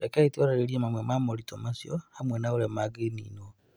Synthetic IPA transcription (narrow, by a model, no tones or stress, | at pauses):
ɾekaitioɾaɾeɾiemamwemamoɾitomasjohamwenauɾemaɡenḭːno